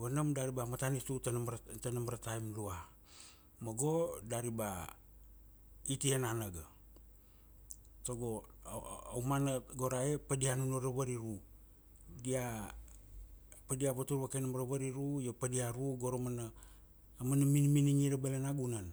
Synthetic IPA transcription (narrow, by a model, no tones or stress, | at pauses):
βanamdaɾibamatanitutɾtanamaɾataimlua | moɡo̞daɾiba | itienanaɡa | toɡo | awmanɡoɾaepadianunoɾaβaɾiɾu | dia | padiaβatuɾβakenamɾaβaɾiɾujopadiaɾuɡo̞ɾomanaː | manaminminiŋiɾabalenaɡunan